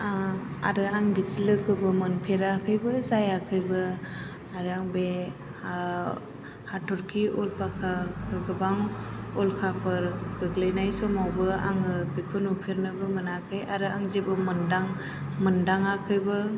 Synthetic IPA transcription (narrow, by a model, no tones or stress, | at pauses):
aa̰ɾɯaŋbitilɯkʰɯbɯmɯnpʰeɾakʰɯjbɯzajakʰɯjbɯ | aɾaŋbe | hatʰɔɾkʰiɔlpakʰaɯɡɯbaŋɔlkʰapʰɯɾɡ̥ɯɡlejnajsɔmawbɯa̰ŋɯbikʰɔnupʰeɾnɯbɯmɯnakʰɯjaɾɯaŋzebɯmɯndaŋ | mɯndaŋakʰɯjbɯ